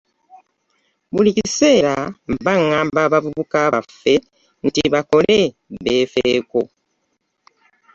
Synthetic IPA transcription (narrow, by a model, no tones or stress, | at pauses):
βulicise̞ːɾambaŋːaːmbaβavuβukaβafːe̞ | n̩tiβako̞le | βe̞ːfeːko̞